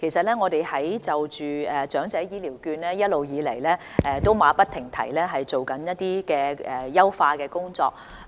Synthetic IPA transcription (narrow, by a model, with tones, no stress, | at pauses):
kʰe˨˩jsɐ˨t̚lɛː˥ŋɔː˨˧d̪e˨jhɐ˨˥jt͡sɐ˨wt͡ʃyː˨ɛː˨t͡ʃœː˨˥ŋt͡sɛː˨˥jiː˧liː˨˩wkyː˧nlɛː˥jɐ˥t̚lo˨wjiː˨˧lɐ˨˩jlɛː˥ | ɛː˧t̪o˥wmaː˨˧˥pɐ˥t̪ʰɪ˨˩ŋt̪ʰɐ̰˨˩jlɛː˥ɦɐ˨jt͡so˨wkɐ˨˥njɐ˥t̚t̪iː˥kɛː˧ɛː˨˩jɐ˥wfaː˧kɛː˧kʊ˥ŋt͡sɔ̰ː˧k̚